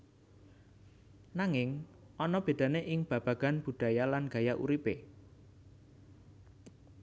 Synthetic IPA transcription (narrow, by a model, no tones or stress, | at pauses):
naŋɪŋ | ʔɔnɔb̥e̤d̪̥ä̤neʔɪŋb̥a̤b̥ä̤ɡ̥a̤nb̥ṳɖ̥ä̤jalanɡ̥a̤jaʔṵɾipe